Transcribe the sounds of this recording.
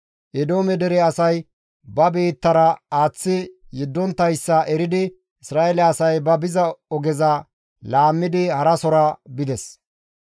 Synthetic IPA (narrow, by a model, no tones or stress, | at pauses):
ʔɛd̪o̞ːmɛd̪ɛɾɛɐsɐj | bɐbe̞ːt̪ːɐɾɐaːt͡sːɪjɪd̪ːɔnt̪ːɐjsːɐʔɛɾɪd̪ɪ | ɪsɾaːʔɛlɛɐsɐjbɐbɪzɐɔɡɛzɐ | laːmːɪd̪ɪhɐɾɐsɔɾɐbɪd̪ɛs